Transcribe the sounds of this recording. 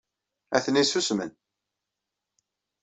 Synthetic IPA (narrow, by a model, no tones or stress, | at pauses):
æ̰θənisusmə̰n